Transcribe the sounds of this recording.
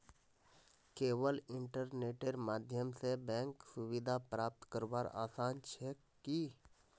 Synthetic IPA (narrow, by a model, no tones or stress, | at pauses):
keːʋəlɪ̃ɳʈəɾneːʈeɾmaːd̪ʱjəmsebɛ̃ːŋksʊwɪd̪ʱapɾaːp̚t̪kəɾbaːɾa̰ːsaːnt͡ʃʰɛ | ki